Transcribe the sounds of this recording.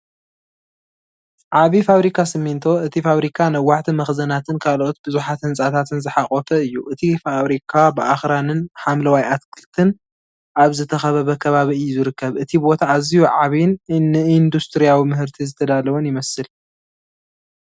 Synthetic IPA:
ʕaβifaβɾikʰasɨmːint̪ʰo̞ɨt̪ʰifaβɾikʰanɐwːaħt̪ʰimɐxzɐnat̪ʰɨnkʰalo̞t̪̚bɨzuħat̪hɨnsʼat̪ʰat̪ʰɨnzɨħaχʼot̪ʰɐɨjːuʔɨt̪ʰifaβɾikʰabɨʔaxɾanɨnħamlɐwajʔat̪̚kʰɨlt̪ʰɨn | ʔaβzɨt̪ʰɐxɐβɐβɐkʰɐβaβiɨjːuzɨɾɨkːɐβʔɨt̪ʰibo̞t̪ʰaːzihuʕaβjnɨind̪ust̪ʰɾijawimɨɦɨɾt̪ʰizɨt̪ʰɐd̪alɐwonjɪmɐsɨl

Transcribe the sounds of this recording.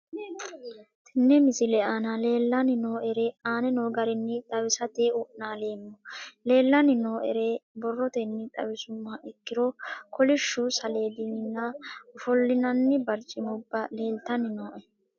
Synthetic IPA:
t̪ʰɪnːɛmɪsɪlɛʔanɐle̞ːlːɐnɪnoːʔɛɾeaːnɛnoːɡɐɾɪnːɪt̪ʼɐwɪsɐt̪eːʊʔnaːle̞ːmːɔle̞ːlːɐnɪnoːʔɛ̰ɾebɔrːɔt̪ɛnːɪt̪ʼɐ̰wɪsʊmːɐɪkːɪɾɔkʰɔlɪʃːʊsɐle̞ːd̪iːnɪnːɐʊfɔlːɪnɐnːɪbɐɾt͡ʃʼːɪmʊbːɐle̞ːlt̪ɐnɪnoːʔɛ

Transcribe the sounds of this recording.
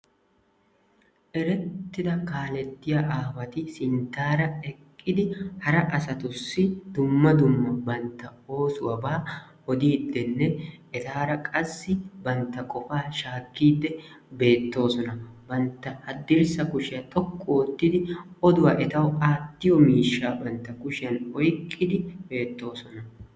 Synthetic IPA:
ʔɛɾɛt̪ːɪd̪ɐkaːlɛt̪ːɪjɐʔaːfɐt̪ɪsɪnt̪ːaːɾɐɛkʼːɪd̪ɪhɐɾɐʔɐsɐt̪ʊsːɪd̪ʊmːɐd̪ʊmːɐbɐnt̪ːɐo̞ːsʊwɐbaː | ɔd̪iːd̪ːɛnːɛʔɛt̪aːɾɐkʼɐsːɪbɐnt̪ːɐkʼɔfaːʃaːkːiːd̪ːɛ | be̞ːt̪ːo̞ːsɔnɐbɐnt̪ːɐhɐd̪ːɪɾsɐkʊʃɪjɐt̪ʼɔkʼːoɔt̪ːɪd̪ɪɔd̪ʊwaːʔɛt̪ɐwaːt̪ːɪjɔmiːʃːaːbɐnt̪ːɐkʊʃɪjɐnɔjkʼːɪd̪ɪbe̞ːt̪ːo̞ːsɔnɐ

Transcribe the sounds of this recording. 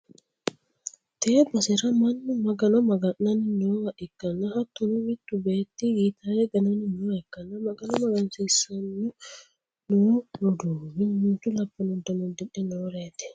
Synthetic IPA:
t̪eːbɐsɛɾɐmɐnːʊmɐɡɐnɔmɐɡɐnːɐnɪnoːhɐʔɪkːɐnːɐhɐt̪ːʊnʊmɪt̪ːʊbeːt̪ːijiːt̪ajɛɡɐnɐnɪnoːɛkːɐnːɐmɐɡɐnɔmɐɡɐnsiːsːɐnːʊ | noːɾʊd̪uːmɪnmɪnt̪ːʊlɐpːɔnʊd̪ɐnɔd̪ɛᶑɛnoːɾeːt̪ɛ̥

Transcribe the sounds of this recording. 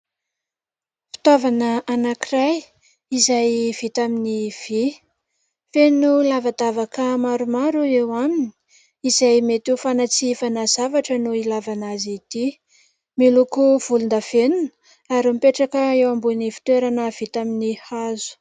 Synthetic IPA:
fi̥t̪avanəʔanakiraj | izajv̥it̪aminiv̥i | fenulavad̪avakəmaɾumaɾuewamini̥ | izajmet̪ufanat͡sifanazavaʈ͡ʂənuilavanazit̪i | milukuv̥ulund̪av̥enunə̥ | aɾimipeʈ͡ʂakəewambunifi̥t̪weɾanəv̥it̪aminihazu̥

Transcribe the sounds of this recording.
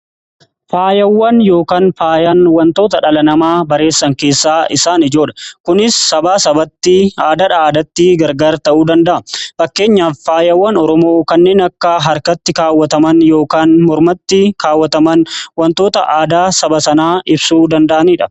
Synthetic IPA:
faːjɐwːɐnjo̞ːkaːnfaːjɐnwɐnt̪o̞ːt̪ɐᶑɐlɐnɐmaːbɐɾe̞ːsːɐŋke̞ːsːaːɪsaːnɪd͡ʒo̞ːᶑɐ̥kʊnɪsːɐbaːsɐbɐt̪ːɪaːd̪ɐᶑɐaːd̪ɐt̪ːɪɡɐɾɡaːɾt̪ɐʔuːd̪ɐnd̪ɐʔɐfɐkːe̞ːɲːaːfːaːjɐwːɐnɔɾɔmo̞ːkɐnːe̞ːnɐkːɐɦɐɾkɐt̪ːɪkaːwːɐt̪ɐmɐnjo̞ːkaːnmɔɾmɐt̪ːɪkaːwːɐt̪ɐmɐnwɐnt̪o̞ːt̪ɐ̰ʔaːd̪aːsɐbɐsɐnaːʔɪbsuːd̪ɐnd̪ɐʔɐniːᶑɐ

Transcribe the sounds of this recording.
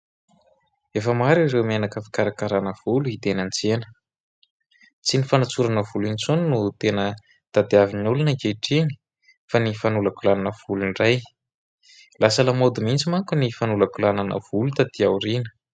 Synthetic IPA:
efəmaɾiɾewmenakafi̥kaɾakaɾanəv̥uluit̪enant͡senə̥ | t͡sinifanat͡suɾanəvulint͡suninut̪enə | d̪̥ad̪eavinulunəkeʈ͡ʂiɲi̥ | fanifanulakulananəv̥ulunraj | lasəlamod̪umint͡simaŋkunifanulakulananə̰v̥ulut̪ad̪iawɾinə̥

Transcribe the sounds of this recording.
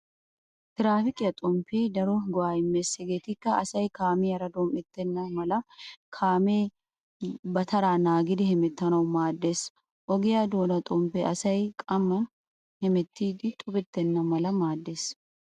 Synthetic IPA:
t̪ɪɾaːfɪkʼɪjɐt̪ʼɔmpeːd̪ɐɾɔɡɔwaːɪmːesɛɡeːt̪ɪkːɐɐsɐjkaːmiːɐɾɐd̪oːmɛt̪ːɛnːɐmɐlɐkʰaːmeː | bɐt̪ɐɾaːnaːɡɪd̪ɪhɛmɛt̪ːɐnɐwʊmaːd̪ːes | ʔɔɡɪjaːd̪oːnɐt̪ʼɔmpeːʔɐsɐjkʼɐmːɐ | hɛmɛt̪ːiːd̪ɪt̪ʼʊbɪt̪ːɛnːɐmɐlɐmaːd̪ːes

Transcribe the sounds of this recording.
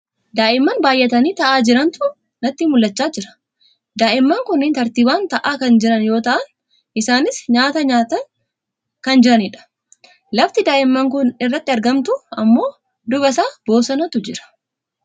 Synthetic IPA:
d̪aːʔɪmːɐːnbaːjʔɛt̪ɐniːt̪ɐʔaːd͡ʒɪɾɐnt̪ʊ | nɐt̪ːiːmʊlːɐt͡ʃːaːd͡ʒɪɾɐ̥ | d̪aːʔɪmːɐːŋkʊnːɪnt̪ɐɾt̪iːbaːnt̪ɐʔaːkɐnd͡ʒɪɾɐnjo̞ːt̪ɐʔɐn | ɪsaːnɪsɲaːt̪ɐɲaːt̪ɐ | kɐnd͡ʒɪɾɐnɪᶑɐ̥ | lɐft̪ɪd̪aːʔɪmːɐŋkʊnɪrːɐt̪ːɪɐɾɡɐmt̪ʊɐmːo̞ː | d̪ʊbɐsaːb̥o̞ːsɐnɐt̪ʊd͡ʒɪɾɐ̥

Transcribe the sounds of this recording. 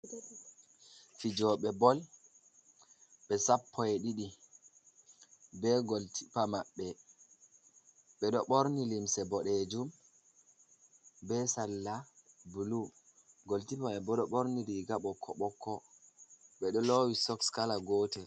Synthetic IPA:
fid͡ʒɔɓɛbɔl | ɓɛsapːɔɛɗiɗi | bɛɡoltʰi̥pamaɓːɛ | ɓɛɗɔɓoɾnilimsɛbɔɗɛd͡ʒum | bɛsalːabulu | ɡoltipaɓɛbɔɗɔɓoɾniɾiɡaɓɔkʰːɔɓɔkːɔ | ɓɛɗɔlowisɔkskalaɡɔːtɛ

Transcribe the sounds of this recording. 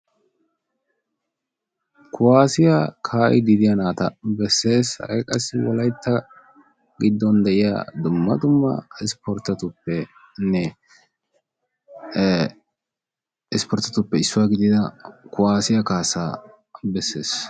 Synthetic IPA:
kʊwaːsɪjakʰaːʔɪ̰d̪ɪd̪ɪjɐnaːt̪ɐbɛsːe̞ːshɐ̰ɾɛkʼɐsːɪwɔlɐjt̪ʰːɐ | ɡɪd̪ːɔnd̪ɛʔɪja̰ːd̪ʊmːɐd̪ʊmːɐ̰ɪspɔɾt̪ːɐt̪ʊpːɛ | nːɛ | ɪspɔɾt̪ɐt̪ʊpːɛɪsːʊwaːɡɪd̪ɪd̪ɐkʊwaːsɪjɐkaːsaː | bɛsːe̞̰ːs

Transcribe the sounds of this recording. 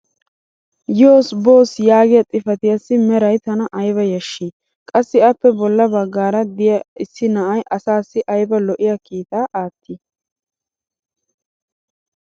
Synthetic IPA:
joːsbo̞ːsjaːɡɪjɐt̪ʼɪfɐt̪ɪjɐsːɪmɛɾɐjt̪ɐnɐʔɐjβɐjɐʃːi | kʼɐsːɪɐpːɛbɔlːɐbɐɡːaːɾɐd̪ɪjɐɪsːɪnɐʔɐjʔɐsaːsːɪʔɐjbɐlɔʔɪjɐkiːt̪aːʔaːt̪ʰːɪ

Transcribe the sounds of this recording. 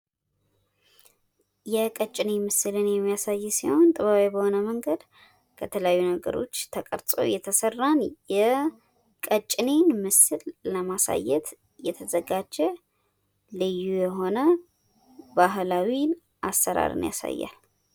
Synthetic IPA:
jɛkʼət͡ʃʼːɪnemɨsɨlɨnjɛmːijasajːsiho̞nt̪ʼɨβaβabəho̞nəməŋɡəd̪ | kʰət̪ʰələjajːunəɡə̰ɾo̞̰t͡ʃːt̪ʰəkʼə̰ɾt̪ʼo̰jɛt̪ʰəsərːanjɛ | kʼət͡ʃʼːnenmɨsɨlːəmasa̰jːɛ̰t̪ | jɛt̪ʰəzəɡad͡ʒɛ | lɨjːujɛɦo̞nə | baɦlawin | ʔasːəɾa̰ɾɨ̰nja̰sa̰jːa̰l

